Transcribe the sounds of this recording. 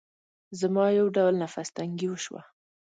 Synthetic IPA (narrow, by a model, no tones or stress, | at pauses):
zəmɑjawɖawlnafast̪aŋɡiwəʃwa̰